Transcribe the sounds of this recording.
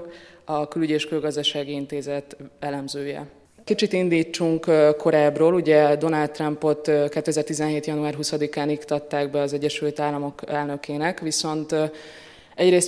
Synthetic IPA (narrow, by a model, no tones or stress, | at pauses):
ɒkylyɟeːʃkylɡɒzd̪ɒʃaːɡiint̪eːzɛt̪ɛlɛmzøːjɛ̰ | kit͡ʃit̪ind̪iːt͡ʃːuŋkkːo̞ɾaːbroːluɟɛd̪o̞nalt̪ːrɒmpo̞t̪kɛt̪ːɛzɛrt̪izɛnɦeːt̪jɒnuaːrɦusɒd̪ikaːnikt̪ɒt̪ːaːɡbɛɒzɛɟːɛʃylt̪aːlːɒmo̞kɛlnøkeːnɛkʋiso̞nt̪ | ɛɟreːs